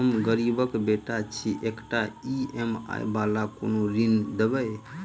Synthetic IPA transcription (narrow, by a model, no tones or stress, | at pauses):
əmɡəɾibəkbeʈat͡ʃʰiʔekʈaiema̰jbalako̰noɾind̪ebəj